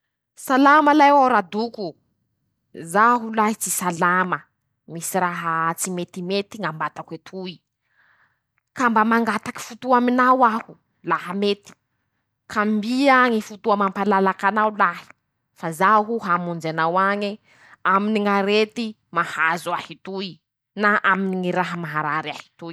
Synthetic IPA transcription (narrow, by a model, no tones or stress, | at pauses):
salaməlajwaɾad̪uku | zaɦulaɦit͡sisalamə | misiɾaɦət͡simet̪imet̪iŋambat̪aket̪ʰui | kambəmaŋɡat̪aki̥fut̪uaminawahu̥ | laɦəmet̪i̥ | kʰambiaŋifut̪uamampalalakanawlaɦi̥ | fazaɦuɦamund͡ʒanawaɲi | aminiŋaɾet̪i | mahazuahit̪ui | naʔaminiŋiɾaɦəmaɦaɾaɾiahi̥t̪ui